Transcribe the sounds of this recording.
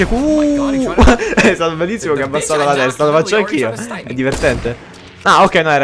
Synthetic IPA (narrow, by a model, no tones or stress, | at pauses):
eku | ɛst̪aːt̪obelːisːimok̟eabːasːat̪alat̪ɛst̪alofat͡ʃːoaŋk̟iːoɛd̪ːivert̪ɛnt̪e | aokːɛjnõnɛɾ